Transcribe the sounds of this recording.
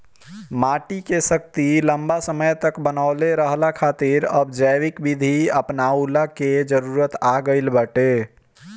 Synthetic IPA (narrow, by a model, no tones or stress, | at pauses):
maːʈikesək̚t̪iləmbasəməjt̪əkbənaʊleɾəɦlakʰaːt̪ɪɾəbd͡ʒəjwɪkbid̪ʱiəpnaulaked͡ʒəɾuːɾət̪aɡəɪlbəʈe